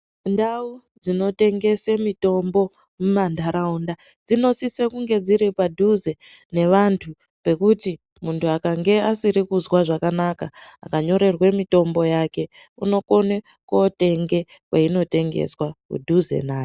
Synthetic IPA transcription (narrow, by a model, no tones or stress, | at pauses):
ndau | d͡zino̞te̞ŋɡe̞semito̞mbo̞ | mumandaɾaunda | d͡zino̞sisekuŋɡe̞d͡ziɾipadʱuze̞ne̞ʋantʰu | pe̞kuti | muntʰuakaŋɡe̞asiɾikuzwaʐakanakaːkaɲo̞ɾe̞rwe̞mito̞mbo̞jake̞uno̞ko̞ne | kote̞ŋɡe̞ | kweino̞te̞ŋɡe̞̰swakṵdʱuzḛnaːje